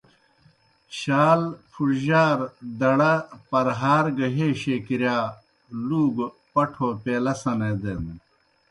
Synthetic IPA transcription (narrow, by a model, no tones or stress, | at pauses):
ɕaːlpʰuʈʑaːɾd̪ɐɽɐpɐɾɦaːɾɡɐɦeːɕeːkiɾjaː | luːɡ | pɐʈʰoːpeːlɐsɐned̪en